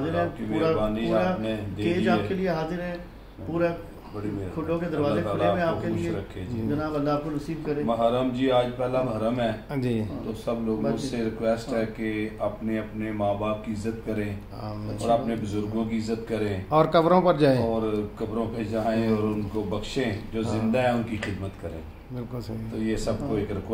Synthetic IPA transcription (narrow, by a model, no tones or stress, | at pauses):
zɪɾːkemeːɾabaːnianed̪eeːaːepkelieɦaːzɪɾɦɛ̃ː | puːɾɛ | bəɽimeɾkʰʊõked̪əɾʋaːeʊɖeːmẽaːpkeuːʃeɾəkʰːẽd͡ʒid͡ʒənaːbəlːaːp̚konəsiːbkəɾẽːmɐɦəɾəmd͡ʒiːaːd͡ʒpɛːlabɦəɾəmɦɛːd͡ʒit̪osəbloːɡʊsːeɾɪkwɛːsʈɦɛːkeɐpneɐpnemaːbaːp̚kiɪzːət̪kəɾẽː | ɔ̰ːɾɐpnebʊzʊɾɡõk̬iɪzːət̪kəɾẽːɔːɾkɐbɾõpɐɾd͡ʒaːẽɔːɾkɐbɾõped͡ʒaːẽɔːɾʊnkobɐkʃẽd͡ʒoːzɪ̃nd̪aɦɛʊnkixɪd̪mət̪kəɾḛ̃ː | bɪlt̪oːjesɐb̚koeːkɾɪk